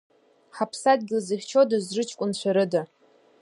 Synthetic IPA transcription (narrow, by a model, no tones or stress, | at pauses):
ħapʰsad̚ɡʲɪlzɨχʲt͡ʃʰodɨzrɨt͡ʃʰkʷʼʊnt͡ɕʷʰaɾɨda